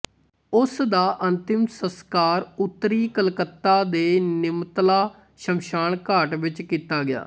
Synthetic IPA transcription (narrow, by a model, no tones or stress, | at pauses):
ʊsd̪aːʔənt̪ɪmsəskaːɾʊt̪ːɾiːkəlkət̪ːaːd̪eːnɪmt̪laː | ʃəmʃaːɳkaːʈʋɪt͡ʃkiːt̪aːɡɪja̰ː